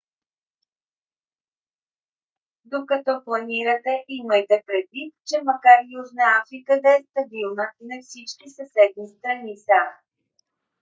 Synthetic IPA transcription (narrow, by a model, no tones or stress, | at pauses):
d̪okɐt̪ɔplˠɐniɾət̪ɛʔiməjt̪ɛpɾɛd̪vit̪t͡ʃɛmɐkaɾjuʒnəafɾikəd̪ɐɛst̪ɐbilˠnənɐfsit͡ʃkʲisɐsɛd̪nist̪ɾɐnisa